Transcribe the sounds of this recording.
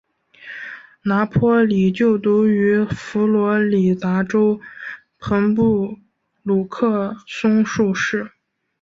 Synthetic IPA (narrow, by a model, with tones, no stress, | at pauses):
na˧˥pʰwɔ˥li˨˩t͡ɕjo˥˩ʊt̪u˧˥y˧˥fu˧˥lwɔ˧˥li˨˩t̪a˧˥ʈ͡ʂo˥ʊ | pʰɤ˧˥ŋpu˥˩ | lu˨˩kʰɤ˥˩sʊ˥ŋʂu˥˧ʂɻ̩˥˩